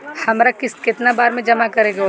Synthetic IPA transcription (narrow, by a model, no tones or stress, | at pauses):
hɐmɾakɪskɪt̪nabaːɾmẽd͡ʒɐmakɐɾeːɡao